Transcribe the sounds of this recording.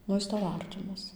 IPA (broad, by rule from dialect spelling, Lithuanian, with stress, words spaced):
ˈnʊ ˈjɪs ˈtɐʊ ˈɐrʲtʲɪmɐs